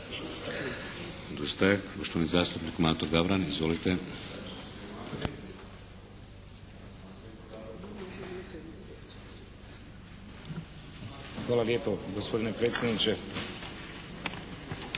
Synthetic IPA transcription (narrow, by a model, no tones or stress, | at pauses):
d̪ust̪aeɡoʃt̪onizaːst̪upnikmaːt̪oɡaʋɾanizʋolit̪e | xʋaːlˠaljeːpoɡospo̞d̪inepɾeːt̪sʲjed̪nit͡ʃe